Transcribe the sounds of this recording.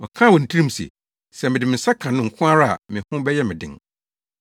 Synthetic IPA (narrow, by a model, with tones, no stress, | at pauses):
wɔ˨kʰã˦˨wɔ̃˨n̩˨tʰi˦ɾĩ˦m˦sɛ̰˨ | sɛ˨mɪ̃˨dɪ˨mɪ̃˨sa˦kʰã˨nʊ̃˦ŋ̩˨kʰʊ̃˦a˦ɾa˦a̰˨mɪ̃˨hʊ̃˦bɛ˦jɛ˦mɪ̃˨dɪ̰̃˨ŋ